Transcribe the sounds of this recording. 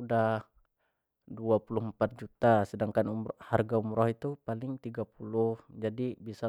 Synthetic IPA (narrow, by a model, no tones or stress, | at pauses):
udah | duapulʊhmpat̪̚d͡ʒut̪asədaŋkanumharɡaumɾɔhit̪upalɪŋt̪iɡapulʊhd͡ʒadibisa